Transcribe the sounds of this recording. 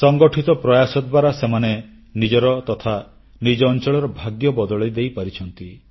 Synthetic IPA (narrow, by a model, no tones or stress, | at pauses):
sɔŋɡɔʈʰit̪ɔpɾɔjasɔd̪̚bwaɾasemane | nid͡ʒɔɾɔt̪ɔt̪ʰa | nid͡ʒɔːnt͡ʃɔɭɔɾɔbʱaɡjɔbɔd̪ɔɭɔjd̪ejpaɾit͡ʃʰɔnt̪i